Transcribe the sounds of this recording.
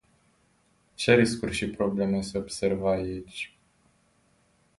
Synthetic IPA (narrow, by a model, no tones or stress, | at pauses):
t͡ʃe̞ɾiskurʃipɾo̞ble̞meseobse̞rvait͡ʃʲ